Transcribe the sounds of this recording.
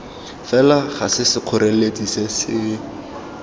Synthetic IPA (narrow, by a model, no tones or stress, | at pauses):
fɛlaχasɪsɪq͡χʰʊɾeledisesɪ